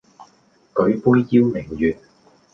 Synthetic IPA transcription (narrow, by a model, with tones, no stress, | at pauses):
kɵ˨˥ɥpuː˥jːiː˥wmɪ˨˩ŋjyː˨˩n̚